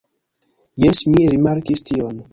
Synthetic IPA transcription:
jesmiɾimaɾkistion

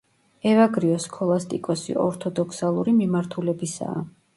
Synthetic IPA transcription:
ɛvaɡɾiɔskʰɔlˠast̪ʼikʼɔsḭɔɾt̪ʰɔd̪ɔkʰsalˠuɾimimaɾt̪ʰulɛbisa̰ː

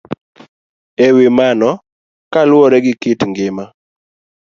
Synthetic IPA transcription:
ewɪmanɔ | kalwɔɾɛɡɪkɪtŋɡɪma

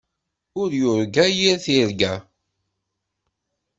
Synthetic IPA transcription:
ʊɾjʊɾɡæjiɾθiɾɡæ

